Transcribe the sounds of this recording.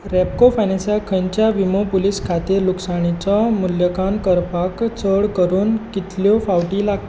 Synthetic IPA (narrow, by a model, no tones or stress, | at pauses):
ɾɛp̚kofajnẽsjakʰəɲt͡ɕjaʋimopuliːskʰat̪iːɾluksaɽ̃it͡sɔmuljəkankəɾpakt͡səɽkəɾuːnkit̪ljɔfawʈilaɡ̚t̪